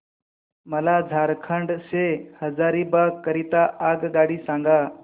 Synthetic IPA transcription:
məlad͡zʱaɾkʰəɳɖsehəd͡zaɾibakːəɾit̪aʔaɡɡaɽiːsãŋɡa

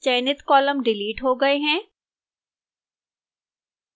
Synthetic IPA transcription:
t͡ʃɛːnɪt̪kɔːləmɖɪliːʈɦoɡɐeɦɛ̃ː

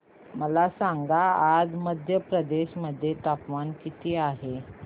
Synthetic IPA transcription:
məlasaŋɡaad͡zməd̪ʱjəpɾəd̪eɕməd̪ʱːjet̪apʋankit̪ʰiːaɦe

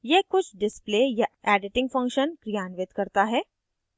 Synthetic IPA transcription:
jekʊt͡ʃʰɖɪspleːjaɛːɖɪʈɪ̃ŋɡfɐ̃ŋkʃənkɾijaːnʋɪt̪kɐɾt̪aɦɛː

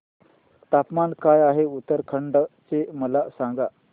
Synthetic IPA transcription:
t̪apmankajaɦeut̪ːəɾkʰəɳɖt͡seməlasãŋɡa

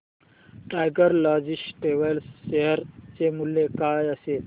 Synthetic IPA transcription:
ʈajɡəɾlad͡ʑisʈʈeʋəlsːeɦəɾt͡semuljekajəse

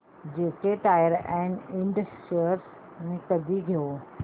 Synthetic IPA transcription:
d͡ʑeːkeʈaːjəɾɛ̃ːɳɖɪ̃ɳɖəsʈəɾs | mẽkɐd̪ʱiɡʱijo

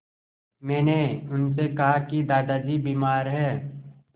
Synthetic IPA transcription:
mɛːneʊnsekɐɦakid̪aːd̪ad͡ʒibiːmaːɾɦɛː

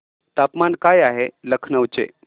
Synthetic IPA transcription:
t̪apmankajaɦeləkʰnəwt͡sḛ

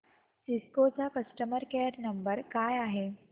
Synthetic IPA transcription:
siskot͡sakəsʈəməɾkeɾnəmbəɾkajaɦe

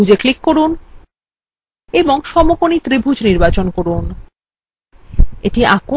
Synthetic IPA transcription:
ud͡ʑeklikːoɾun | eboŋʃɔmokonit̪ɾibʱud͡ʑniɾbat͡ɕonkoɾun | eʈiako

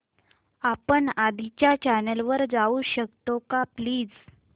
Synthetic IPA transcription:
apəɳad̪ʱit͡ɕjat͡ɕanəlʋəɾd͡zauɕəkt̪okapliːd͡z

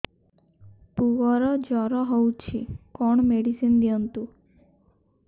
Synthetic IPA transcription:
puʋɔɾɔd͡ʒɔɾɔɦɔwt͡ʃʰḭkɔɳmeɽisind̪iɔnt̪u

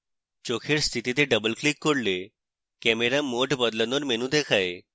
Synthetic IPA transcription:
t͡ʃokʰeɽst̪ʰit̪it̪eɖəbəlklikːoɽle | kɛmeɾamoʈbəd̪lənoɾmenũd̪ekʰae

